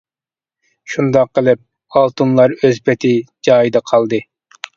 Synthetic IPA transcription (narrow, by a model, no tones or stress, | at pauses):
ʃund̪ɑqːəlˠɪp̚ | ɑlˠt̪ʰunlˠɑɾøzpʰɛt̪ʰɪd͡ʒɑːjid̪ɑqʰɑlˠd̪ɨ